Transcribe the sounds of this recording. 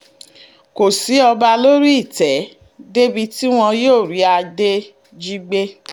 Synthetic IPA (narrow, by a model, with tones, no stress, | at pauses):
ko˨si˨˦ɔ˧ba˧lo˦ɾi˦i˦˨tɛ˨˦ | de˦bi˧ti˦w̃ɔ̃˧joː˦˨ɾi˨˦a˧de˦ | d͡ʒi˦ɡ͡be˦